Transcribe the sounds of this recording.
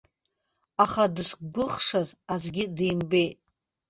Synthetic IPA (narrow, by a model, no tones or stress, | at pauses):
aχadɨsɡʷʊχʂazazʷɡʲidejmbe̞jtʼ